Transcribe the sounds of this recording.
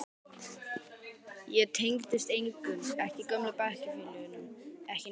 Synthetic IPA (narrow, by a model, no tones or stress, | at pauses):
jɛɣt̪ʰejŋkt̪ɪst̪ejŋkʏntɛhcɪkœmlʏpahcɪfɪlʏɣʏnʏmɛhcɪ